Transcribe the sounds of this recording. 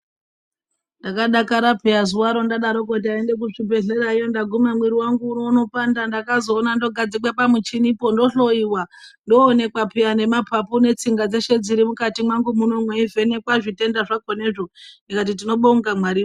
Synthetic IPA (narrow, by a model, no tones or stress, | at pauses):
ndakaɗakaɾapeazuwaɾo̞ndaɗaɾo̞kot̬iaende̞k̬uʐibʱe̞ɮe̞ɾaijondaɡʱumamwiɾiwaŋɡuːnono̞pandandakazo̞ːnando̞ɡʱad͡zikwapamut͡ʃinipo̞ndo̞ɬo̞iwando̞ːne̞kwapʰeane̞mapapune̞t͡siŋɡad͡ze̞ʃe̞d͡ziɾimukatimwaŋɡumuno̞mweive̞ne̞kwaʐite̞ndaʐakoneʐondikat̬it̬ino̞ɓoŋɡamwaɾiːo